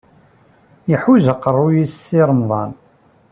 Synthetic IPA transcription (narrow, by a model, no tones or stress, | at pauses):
jəħuzəqːərˤːujisiɾˤəmðˤɑn